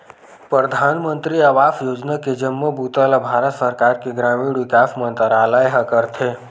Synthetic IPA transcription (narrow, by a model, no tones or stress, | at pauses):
pɾəd̪ʱaːnmə̃nt̪ɾiɐʋaːfjoːd͡ʒnaked͡ʒəmːobuːt̪alabʱaːɾət̪səɾkaːɾkeɡɾaːmiːɽʋɪkaːfmə̃nt̪əɾaːləeɦɐkəɾt̪ʰeː